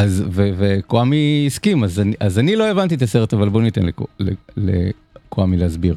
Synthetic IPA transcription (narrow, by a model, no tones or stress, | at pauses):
azvevekoamiːskimazniʔazanilo̞evant̪̬it̪aseʁet̪avalbo̞nit̪enleklelḛ | koamileazbiʁ